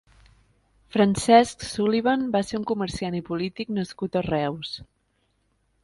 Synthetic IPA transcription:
fɾənsɛsksuliβanbaseɾuŋkuməɾsianipulit̪iknəskut̪ərɛws

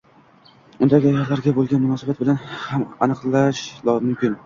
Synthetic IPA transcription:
ʊnd̪aɡʲɪjaɾlaɾɡʲabolˠɡʲanmʊnɒsabat̪̚bɪlanhamanɨqlˠaʃlɒmʊmkʲɪn

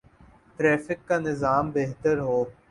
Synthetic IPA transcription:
ʈɾɛːfɪkːanɪzaːmbeɦt̪əɾɦoː

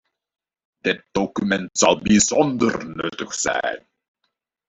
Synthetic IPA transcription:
d̥ɪt̚d̥okymɛntsɑlˠbizɔndərnɵtəχsɛ̰jn

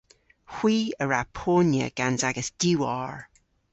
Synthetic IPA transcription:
hw̥iːəɹapʰoːnjə̰ɡ̥anzaɡəsd̥juaːɹ

